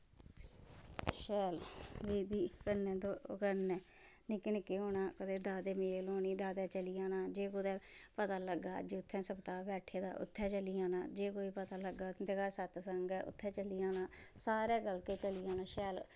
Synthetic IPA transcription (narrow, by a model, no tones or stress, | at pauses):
ʃɛːlʋiːd̪iːkənɛ̃ːd̪oːkənɛ̃ː | nɪknɪkːeːɦoːnaːkət̪eːd̪aːd̪eːmeːloːniːd̪aːd̪ɛːt͡ʃəliːaːnaːd͡ʒeːkʊd̪ɛːpət̪aːləɡːaːd͡ʒʊt̪ʰːɛ̃ːsəbt̪aːbɛːʈʰeːd̪a̰ːʔʊ̰t̪ʰːɛ̃ːt͡ʃəliːaːna̰ːd͡ʒeːkoːiːpət̪aːləɡaːd̪ɪkaːsət̪səŋɡɛːʔʊ̰t̪ʰːɛ̃ːt͡ʃəliːãːnãːsaːɾɛːɡəlkeːt͡ʃəliːãːnaːʃɛːl